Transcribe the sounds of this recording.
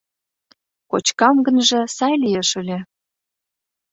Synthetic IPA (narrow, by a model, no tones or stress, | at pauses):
kot͡ɕkɑmɡə̆nʒĕsɑjlijeʃə̆lʲĕ